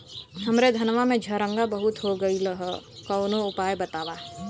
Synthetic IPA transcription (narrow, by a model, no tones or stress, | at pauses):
ɦɐmɾed̪ʱɐnʋamẽd͡ʒʱəɾə̃ŋɡabəɦʊt̪ɦoɡəiləɦəkəːnoʊpaːjbɐt̪aːʋa